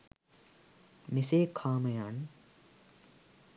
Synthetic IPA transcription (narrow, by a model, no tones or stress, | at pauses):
miseːkʰaːmɐjaːn